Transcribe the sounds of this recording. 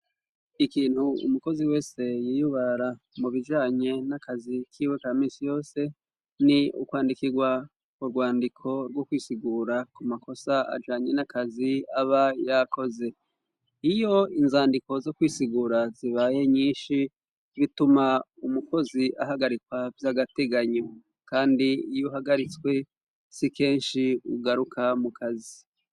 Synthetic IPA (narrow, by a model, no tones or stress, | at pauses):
ikiːnhuṵmuko̞ziwe̞ːse̞jiːjuβaɾa | muβid͡ʒaːɲe̞nakazikʰiːwe̞kamiːsijo̞ːse̞ | niṵkwaːndikiɡwa | kuɾɡwaːndikʰo̞ɾɡwokwiːsiɡuːɾakumako̞saa̰d͡ʒaːɲe̞nakʰaziaβajako̞ze̞ | ijo̞inzaːndiko̞zo̞kwiːsiɡuːɾaziβaje̞ɲiːnʃi | βitumaumuko̞ziʔaɦaɡaɾikwavjaɡate̞ɡaɲo | kaːndiijoɦaɡaɾit͡swe̞ | sike̞ːnʃiṵɡaɾukʰamukʰazi